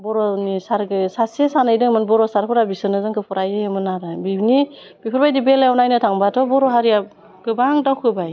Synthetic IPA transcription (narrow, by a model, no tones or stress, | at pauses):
bɔɾɔnisaɾɡɯsasesanajdɯŋmɯnbɔɾɔsaɾpʰɯɾabisɯnɯzɯŋkʰɯpʰɔɾajɯjɯmɯnaɾabibni | b̥ipʰɯɾbajdibelajɔnajnɯtʰaŋbatʰɔbɔɾɔɦaɾija | ɡ̥ɯbaŋdawkʰɯbaj